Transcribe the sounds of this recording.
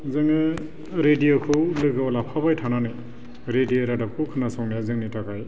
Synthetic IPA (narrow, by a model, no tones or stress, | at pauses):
zɯŋɯ | ɾedijokʰɯwlɯɡɯwlapʰabajtʰananɯj | ɾedioɾadap̚kʰɯwkʰɯnasɔŋnaazɯŋnitʰakʰaj